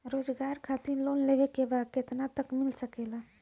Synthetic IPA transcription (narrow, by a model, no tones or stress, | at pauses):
ɾoːd͡ʒɡaːɾkʰat̪iɾloːnleʋekebaːd̪̚ket̪nat̪əkmɪlsəkela